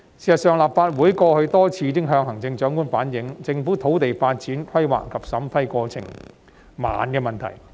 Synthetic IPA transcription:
siː˨˩sɐ˨t̚sœː˨ŋlaː˨p̚faː˧t̚wuː˨˥jkɔː˧hɵ˧ɥt̪ɔː˥t͡sʰiː˧kɪ˥ŋɦœː˧ŋɦɐ˨˩ŋt͡sɪ˧ŋt͡ʃœː˨˥ŋkuː˥nfaː˨˥njɪ˨˥ŋt͡sɪ˧ŋfu˨˥t̪ʰo˨˥wt̪e˨jfaː˧t̚t͡siː˨˥nkʷʰɐ˥jwa̰ː˨˩kːɐ˨˩p̚sɐ˨˥mfɐ˥jkɔː˧t͡sʰɪ̰˨˩ŋ | ma̰ː˨nkɛː˧mɐ˨˩nt̪ʰɐ˨˩j

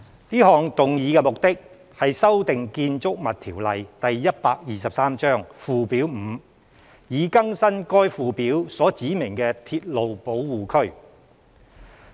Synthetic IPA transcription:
niː˥ɦɔː˨˧ŋt̪ʊ˨ŋjiː˨˧kɛ˧mʊ˨k̚t̪ɪ˥k̚ | hɐ˨jsɐ˥wt̪ɪ˨ŋkiː˧nt͡sʊ˥k̚mɐ˨t̪̚ʰiː˨˩wlɐ˨jt̪ɐ˨jːɐ˥t̚paː˧k̚jiː˨˧sɐ˨p̚saː˥mt͡ʃœː˥ŋfuː˨piː˨˥wm̩˨˧ | jiː˨˧kɐ˥ŋsɐ˥nkɔː˥jfuː˨piː˨˥wsɔː˨˥t͡siː˨˥mɪ˨˩ŋkɛː˧t̪ʰiː˧t̚lo˨wpo˨˥wwuː˨kʰɵ˥ɥ

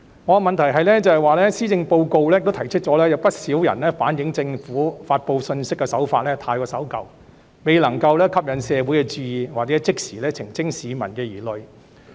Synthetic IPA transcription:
ŋɔː˨˧mɐ˨nt̪ʰɐ˨˩jɦɐ˨jlɛː˥t͡sɐ˨hɐ˨jwaː˨lɛ˥siː˥t͡sɪ˧ŋpo˧wko˧wlɛ˥jkt̪t̪ʰɐ˨˩jt͡ʃʰɵ˥t̚t͡ʃɔː˨˥lɛː˥jɐ˨˧wpɐ˥t̚siː˨˥wjɐ̰˨˩nlɛː˥faː˨˥njɪ˨˥ŋt͡sɪ˧ŋfuː˨˥faː˧t̚po˧wsɵ˧nsɪ˥kːɛ˧sɐ˨˥wfaː˧t̚lɛː˥t̪ʰaː˧jkɔː˧sɐ˨˥wkɐ̰˨w | me˨˧jlɐ˨˩ŋkɐ˧wlɛː˥kʰɐ˥p̚jɐ˨nsɛː˨˧wuː˨˥jkɛ˧t͡syː˧jiː˨waː˨t͡sɛ˨˥t͡sɪ˥k̚siː˨˩lɛː˥t͡sʰɪ˨˩ŋt͡sɪ˥ŋsiː˨˧mɐ˨˩nkɛː˧jiː˨˩lɵ˨ɥ

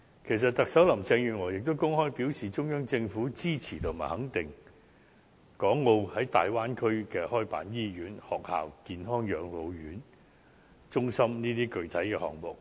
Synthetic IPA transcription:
kʰe˨˩js̬ɐ˨t̚t̪ɐ˨k̚sɐ˨˥wlɐ˨˩mt͡sɛː˧ŋjyː˨nŋɔː˨˩jɪ˨k̚t̪o˥wkʊ˥ŋhɔː˥jpi˨˥wsiː˨t͡ʃʊ˥ŋjœː˥ŋt͡sɪ˧ŋfuː˨˥t͡siː˥t͡sʰiː˨˩t̪ʰʊ˨˩maː˨˩jhɐ˨˥ŋt̪ɪ˨˩ŋ | kɔː˨˥ŋːo˧whɐ˨˥jt̪a̰ː˨jwaː˥nkʰɵ˥ɥkɛː˧hɔː˥jpa̰ː˨˥njiː˥jyː˨˥nhɔː˨k̚ha̰ː˨wkiː˨˧nɦɔː˥ŋjœː˨˧ŋlo˨˧wjyː˨˥n | t͡ʃʊ˥ŋsɐ˥mniː˥t̪iː˥kɵ˨˧ɥt̪ʰɐ˨˥jkɛː˧hɔ̰ː˨˩ŋmʊ˨˩k̚

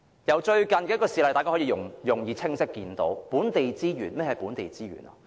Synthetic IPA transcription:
jɐ˨˧wt͡ʃɵ˧ɥkɐ˨nkɛ˧˥kɔː˧siː˨˩lɐ˨jtaː˨ka˥ɔ˨˥iː˧ʊ˨˩ŋjʊ˨˩ŋjiː˨˧t͡sʰɪ˥ŋsɪ˥kːiː˧nt̪o̰˨˥wpuː˨˥nt̪e˨jt͡siː˥jyː˨˩nmɛ˥jɛhɐ˨jpuː˨˥nt̪e˨jt͡siː˥ɥy̰ː˨˩nɐ̰˨

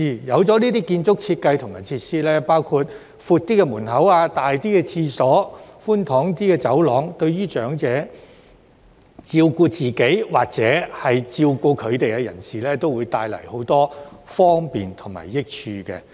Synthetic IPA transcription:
iː˨jɐ˨˧wt͡sɔː˨˥niː˥t̪iː˥kiː˧nt͡sʊ˥k̚t͡sʰiː˧t̚kɐ˧jt̪ʰʊ˨˩maː˨˩t͡sʰiː˧t̚siː˥lɛː˥paː˥wkʰu˧t̚ | fuː˧t̚t̪iː˥kɛ˧muː˨˩nhɐ˨˥waː˧t̪aː˨jt̪iː˥kɛ˧t͡sʰiː˧sɔː˨˥fu˥nt̪ʰɔː˨˥ŋt̪iː˥kɛː˧t͡sɐ˨˥wlɔː˨˥ŋt̪ɵ˧ɥɥyː˥t͡ʃœː˨˥ŋt͡sɛː˨˥ | t͡siː˧wkuː˧t͡siː˨ke˨˥jwaː˨˩k̚t͡sɛː˨˥hɐ˨jt͡siː˧wkuː˧kʰɵ˨˧ɥt̪e˨jkɛ˧jɐ̰˨˩nsiː˨˩lɛː˥t̪o˥wuː˨˧jt̪aː˧jlɐ̰˨˩jho˨˥wt̪ɔː˥fɔː˥ŋpiː˨nt̪ʰʊ˨˩ŋma̰ː˨˩jːɪ˥k̚t͡ʃʰyː˧kɛ̰˧

